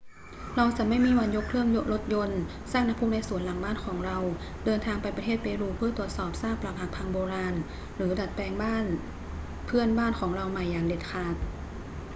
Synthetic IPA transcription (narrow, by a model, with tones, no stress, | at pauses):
ɾa˧wt͡ɕa˨˩ma˥˩jmiː˧wa˧njo˦˥kʰɾɯ˥˩əŋjo˦˥ʔlo˦˥t̪̚jo˧n | saː˥˩ŋ̚na˦˥pʰu˧˥˩mna˧jsu˨˩˦ənla˨˦ŋbaː˥˨nkʰɔː˩˦ŋɾa˧w | dɤː˧nt̪ʰaː˧ŋpa˧jpɾt̪ʰeː˥˩t̪̚peː˧ɾuː˧pʰɯ˥˩t̪u˨˩ət̪̚sɔː˨˩p̚saː˥˩pla˨˧˥p̚ha˨˩kpʰa˧ŋboː˧ɾaː˧n | ɾɯː˩˦da˨˩t̪̚pɛː˧ŋbaː˥˩n | pʰɯ˥˩ənbaː˥˩nkʰɔː˩˦ŋɾa˧wma˨˩jːaː˨˩ŋde˨˩t̪̚kʰaː˨˩t̪̚